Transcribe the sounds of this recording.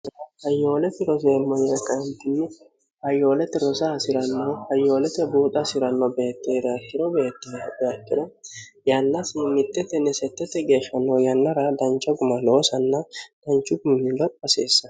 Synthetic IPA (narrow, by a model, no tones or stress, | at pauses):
hɐjːo̞ːlɛt̪ːɪɾɔseːmːɔjɛkʼɐnt̪ɪnːɪ | hɐjo̞ːlɛt̪ːɛɾɔsɐsɪɾɐnːohɐjːo̞ːlɛt̪ɛbuːt̪ʼɐsɪɾɐnːɔbe̞ːt̪ːeːd̪akːɪɾɔbeːt̪ːdakːɪɾɔ | jalːɐsɪmɪt̪ːɛt̪ːɛnɛsɛt̪ːɛt̪ːɛɡe̞ːʃːɐnːojɐnːɐɾad̪ɐnt͡ʃʼːɔɡʊmɐlo̞ːsɐnːɐd̪̥ɐnt͡ʃːʊɡʊmːibɐt̪ɐseːsːɐ̥